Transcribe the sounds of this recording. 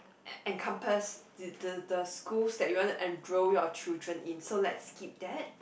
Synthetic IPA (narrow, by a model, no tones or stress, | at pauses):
ɛ̃nkʰãmpəsddədəskulsdɛt̚juwɔ̃ntuʔɛ̃ndɹojɔt͡ʃildɹə̃nʔĩnsolɛtskip̚dɛt̚